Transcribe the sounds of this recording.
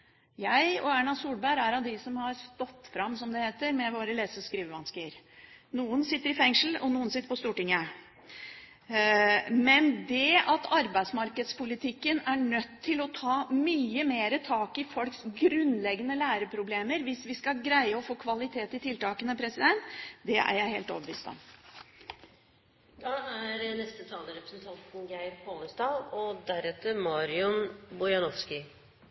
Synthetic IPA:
jæɪɔæːɳɑsuːlbæɪɾæɾɑd̪ɪsɔmhɑɾst̪ɔt̪ːfɾɑmːsɔmd̪ɛheːt̪əɾmɛʋoːɾəleːsəskɾiːʋəʋɑnskɪɾnuːənsɪt̪ːəɾɪfɛŋʂl̩ɔ̰nuːənsɪt̪ːəɾpɔst̪uːʈɪŋːə | mɛnd̪ɛɑt̪ʰɑɾbæɪsmɑɾkəd̪spʰʊlɪt̪ʰɪkːənæɳœt̪ʰːɪlɔt̪ʰɑːmyːəmeːɾət̪ʰɑːkɪfɔlksɡɾʉnlɛɡːənəlæːɾəpʰɾʊbleːməɾʋɪsʋɪskɑɡɾæɪəɔfoːkʰʋɑlɪt̪ʰeːt̪ɪt̪ʰɪlt̪ɑːkənəpʰɾɛsɪd̪ɛnt̪d̪ɛæ̰ɾjæɪhḛːlt̪ɔ̰bəʋiːst̪ɔ̰m | d̪ɑæɾnɛst̪ət̪ʰɑːləɾɛpɾəsnt̪ʰɑnt̪n̩ɡæɪɾpʰoːləst̪ɑːlɔd̪æɾɛt̪əmɑːɾɪʊnbʊjɑnɔʋskɪ

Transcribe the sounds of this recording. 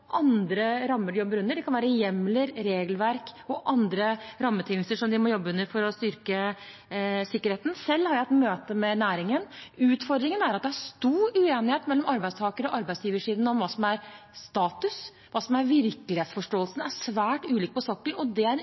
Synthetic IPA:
ʔɑnd̪ɾəɾɑmːəɖʉjɔbːəɾʉnːəɖɛkʰɑnʋæːɾəjɛmːləɾɾeːɡlʋæɾkɔʔɑnd̪ɾəɾɑmːət̪ʰɪŋlst̪əʂɔmd̪ɪmɔjɔbːəʉnːəɾfɔɾɔst̪ʏɾkə | sɪkːəɾeːt̪n̩sɛlːhɑɾjæɛt̪møːt̪əmɛnæːɾɪŋənʉːt̪fɔɾd̪ɾɪŋənæɾɑt̪̚d̪ɛhæʂt̪uːɾʉeːnɪheːt̪mɛlːɔmɑɾbæɪst̪ʰɑːkəɾɔʔɑɾbæɪsjiːʋəʂiːd̪nɔmʋɑːsɔmæɾst̪ɑːt̪ʉs | ʋɑːsɔmæɾʋɪɾklɪheːt̪sfɔʂʈoːlsn̩æɾʂʋæːʈʉːliːk̚pʰɔsɔkːəlɔd̪ɛæɾ

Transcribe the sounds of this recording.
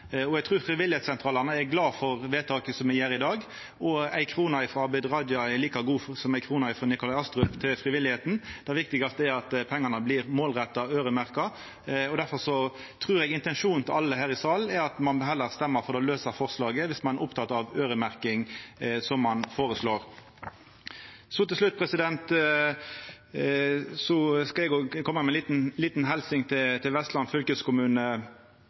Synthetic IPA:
ɔɛɡt̪ʰʁuːfɾɪʋɪlɪhetsɛnt̪ʰɾɑːlɑnəɛɾɡlɑːfɔɾʋeːt̪ʰɑːkəsɔmɛjeːɾɪd̪ɑːɡ | ʔɔæɪkʰɾuːnɑɪfɾɔɑbæɪd̪ɾɑːd̪jɑɛɾliːkɑɡuːsɔmæɪkʰɾuːnɑɪfɾɔnɪkʊlɑɪɑst̪ɾʉpt̪ʰɪlfɾɪʋɪlɪheːt̪n̩d̪̥ɛʋɪk̚t̪ɪɡɑst̪əɛɾɑt̪pʰɛŋːɑnəblɪʁmoːlʁɛt̪ːɑøːɾəmæʁkɑ | ɔd̪æɾfɔɾʂɔ | t̪ʰʁʉːɾɛɡɪnt̪ɛnʂuːn̩t̪ʰɪlɑlːəhæːʁɪsɑːlnɛɾɑt̪mɑnbɦɛlːəʁst̪ɛmːəɾfɔɾd̪ɛløːsəɾfɔʁslɑːɡəʋɪsmɑnʔʊpt̪ʰɑt̪ːɑʋøːɾəmæʁkɪŋsɔmːɑnfoːʁəsloːɾ | sɔt̪ɪlslʉt̪̚ːpʰʁɛsɪd̪ɛnt̪ | sɔskɑɛɡoːkʰɔmːəmɛlit̪n̩liːt̪nɦɛlsɪŋt̪ʰɪt̪ʰɪlʋɛst̪lɑnfʏlkəskʊmʉːnə

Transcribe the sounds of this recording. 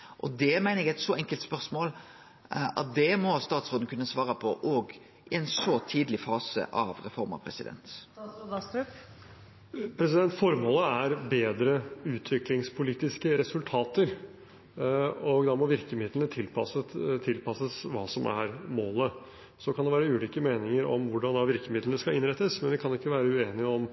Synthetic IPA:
ʔɔd̪ɛmæɪnəɛɡɛɪt̪sɔʔɛŋkəlt̪spœʁsmoːl | ɑ̰t̪̚d̪ɛmɔst̪ɑːt̪sʁoːd̪n̩kʰʉnːəsʋɑːɾəpʰɔʔoːɡ | ʔɪɛnsɔt̪ʰiːd̪lɪfɑːsə̰ʔɑ̰ʋɾɛfɔɾmɑ̰pʰɾɛ̰sɪ̰d̪ɛ̰nt̪ | pʰɾɛs̬ɪd̪ɛnt̪fɔɾmoːləæɾbeːd̪ɾəʉːt̪ʰʋɪklɪŋspʰʊliːt̪ɪskəɾɛsʉlt̪ʰɑːt̪əɾ | ɔɡd̪ɑmɔʋɪɾkəmɪd̪lənət̪ʰɪlpɑsət̪ʰɪlpɑsəsʋɑːsɔmʔæ̰ɾmoːlə | sɔkʰɑnd̪ɛʋæːɾəʉːliːkəmeːnɪŋəɾɔ̰mʋʊɖɑnd̪ɑʋɪɾkəmɪd̪lənəskɑɪnɾɛt̪ːəsmɛnʋɪkʰɑnɪkːəʋæːɾəʉeːnɪɔm

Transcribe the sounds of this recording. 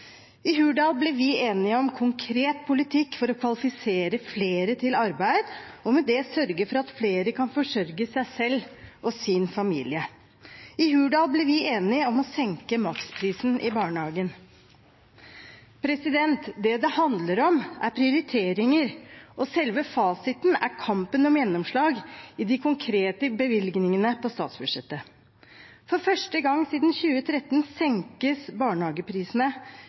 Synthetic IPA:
ɪɦʉːɖɑːlblɪʋɪeːnɪɔmkʰʊŋkʰɾeːt̪̚pʰʊlɪt̪ʰɪkːfɔɾɔkʰʋɑlɪfɪseːɾəfleːɾət̪ʰɪlɑɾbæɪd̪ɔmɛd̪ɛsœɾɡəfɔɾɑt̪fleːɾəkʰɑnfɔʂœɾɡəsæɪsɛlːʔɔsɪnfɑmḭːlɪə | ɪɦʉːɖɑːlblɪɾʋɪeːnɪɔmɔsɛŋkəmɑkspʰɾiːsn̩ʔɪbɑːɳəhɑːɡən | pʰɾɛsɪd̪ɛnt̪d̪ɛd̪ɛhɑnd̪ləɾɔmæɾpʰɾɪʊɾɪt̪ʰeːɾɪŋəɾʔɔsɛlʋəfɑːsɪt̪næ̰ɾkʰɑmpənɔmjɛnːɔmʂɭɑːɡɪd̪ɪkʰʊŋkʰɾeːt̪əbəʋɪlɡnɪŋənəpʰɔst̪ɑ̰ːt̪sbʉd̪ʂɛt̪ːə | fɔɾfœʂʈəɡɑŋːsiːd̪nçʉːət̪ʰɾɛt̪ːnsɛŋkəsbɑːɳəhɑːɡəpʰɾiːsn̩ə

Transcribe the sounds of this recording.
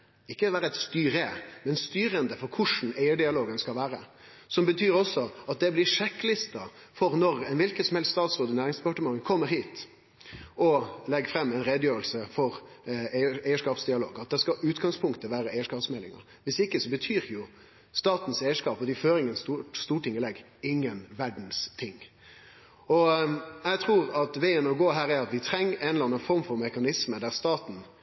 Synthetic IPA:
ɪkːəʋæːɾəɛt̪st̪yːɾəmɛnst̪yːɾənd̪əfɔɾkʰʊʂn̩æɪəɖɪɑloːɡənskɑlʋæːɾə | sɔmbət̪ʰyːɾɔsːɔɑt̪̚d̪ɛblɪʂɛkːlɪst̪ɑ | fɔɾnɔɾɛnʋɪlkət̪sɔmhɛlst̪st̪ɑːt̪sɾoːd̪əɪnæːɾɪŋsd̪ɛpɑʈəmɑŋəkʰɔmːəɾhiːt̪ | ɔlɛɡfɾɛmːɛɪnɾɛd̪jøːɾəlsəfɔɾ | ææɪəʂkɑːpsd̪ɪɑlo̰ːɡɑt̪̚d̪ɛskɑʔʉːt̪ɡɑŋspʰʊŋkt̪əʋæːɾəæɪəʂkɑːpsmɛlːɪ̰ŋə̰ɾ | ʋɪsɪkːəsɔbət̪ʰyːɾjʊ | st̪ɑːt̪n̩seɪəʂkɑːpɔd̪ɪføːɾɪŋːənst̪uːst̪uːʈʰɪŋːəlɛɡ | ɪŋːənʋæɖn̩st̪ʰɪŋː | ɔjɛt̪ʰʁuːɾɑt̪ʋeɪənɔɡoːɦæːɾæɾɑt̪ʋɪt̪ʰɾɛŋːəɛnlɑnːəfɔɾmfɔɾmɛkɑnɪsməd̪æʁst̪ɑːt̪n̩

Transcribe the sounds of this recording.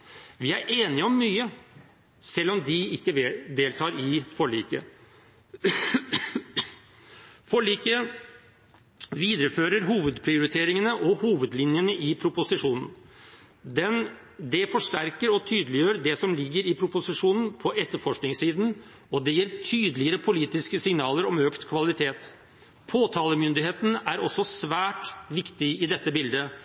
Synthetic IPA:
ʋɪæɾʔeːnɪɔmːyːə | sɛlːɔmd̪ɪɪkːəd̪eːlt̪ʰɑːɾɪfɔɭḭːkə̰ | fɔɭiːkə | ʋiːd̪əɾəføːɾəɾɦuːʋəd̪pʰɾɪʊɾɪt̪ʰeːɾɪŋənəʔɔhuːʋəd̪lɪnjənəʔɪpʰɾʊpʊsɪʂuːnən̩ | d̪ɛn | d̪ɛfɔʂʈæɾkəɾɔt̪ʰyːd̪əlɪjøːɾd̪ɛsɔmlɪɡːəɾɪpʰɾʊpʊsɪʂuːnən̩pʰɔʔɛt̪ːəɾfɔʂknɪŋsiːd̪n | ɔd̪ɛjiːɾt̪ʰyːd̪əlɪəɾəpʰʊliːt̪ɪskəsɪŋnɑːləɾɔmøːkt̪kʰʋɑlɪt̪ʰeːt̪ | pʰoːt̪ʰɑːləmʏnd̪ɪheːt̪næɾɔsːɔsʋæːʈʋɪkt̪ɪɪd̪ɛt̪ːəbɪld̪ə

